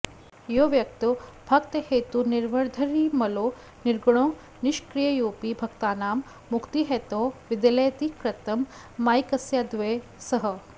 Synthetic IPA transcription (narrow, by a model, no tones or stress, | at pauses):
joʋjɐk̚t̪ubʱɐkt̪ɐheːt̪uniɾʋɐɾd̪ʱɐɾiːmɐloː | niɾɡɽ̃õː | niʃkɾijɐjoːpibʱɐkt̪aːnaːmː | ukt̪iɦeːt̪oːʋid̪ɐleːt̪ikɾɐt̪ɐmː | aːjkɐsjad̪ʋeː | sɐɦɐ